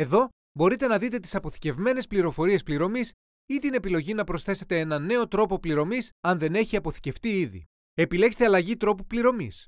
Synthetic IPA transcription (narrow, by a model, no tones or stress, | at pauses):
e̞ðo̞ | bo̞ɾit̪e̞nɐðit̪e̞t̪̬i̥sɐpo̞θi̥ce̞vme̞ne̞spliɾo̞fo̞ɾie̞spliɾo̞mis | it̪ine̞pilo̞ʝinɐpɾo̞sθe̞se̞t̪e̞enɐne̞o̞t̪ɾo̞po̞pliɾo̞misɐnðe̞ne̞çiɐpo̞θi̥ce̞ft̪iiðḭ | e̞pile̞kst̪eɐlɐʝit̪ɾo̞pupliɾo̞mis